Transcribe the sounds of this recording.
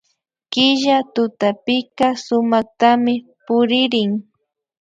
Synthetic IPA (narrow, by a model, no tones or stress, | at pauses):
kɪʒat̪ʊt̪apɪkasʊmaχ̚t̪amɪpʊɾɪɾɪŋ